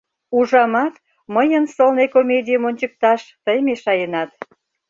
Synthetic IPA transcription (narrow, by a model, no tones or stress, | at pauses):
uʒɑmɑt̪ | məjənsolnekomʲedʲijəmonʲt͡ɕək̚t̪ɑʃt̪əjmeʃɑjənɑt̪